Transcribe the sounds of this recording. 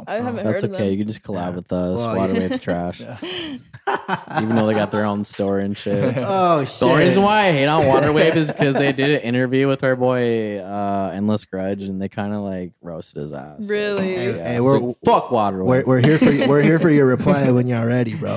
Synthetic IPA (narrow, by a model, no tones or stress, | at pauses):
æðætsoʊkʰeɪjɨkɨ̃nd͡ʒʌskʰəlæbwəðʌswɑɾə˞weɪvz̥tʰɹ̥æʃ | ivɨn̩ðoʊðeɪɡɑt̪̚ðə˞õʊ̃nstɔɹɨ̃nʃʰɪoɹizɨ̃nwaɪaheɪɾn̩wɑɾə˞weɪvɨz̥kʰʌzðeɪdɪɾʔɪ̃ɾ̃ə˞vjʉwəð̥ə˞bɔɪʌɨ̃nlɛsɡ̥ɹʌd͡ʒɨ̃n̩ðeɪkʰãɪ̃ndəlaɪk̚ɹoʊstɨɾɨ̰zæ̰sɪlˠijæfʌkwɑɾə˞wɪwɪɹɦiɹə˞jwɪɹhiɹfə˞jə˞ɹɨpʰl̥aɪwə̃njəl̩ˠɹɛɾibɹo̰